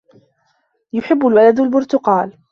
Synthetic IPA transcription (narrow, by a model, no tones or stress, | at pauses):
jʊħɪbːʊlwalad̪albʊɾt̪ʊqɑːl